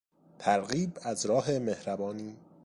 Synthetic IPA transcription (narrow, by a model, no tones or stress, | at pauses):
t̪ʰæɾɣiːbæzɾɒːɦe̞me̞hɾæbɒːniː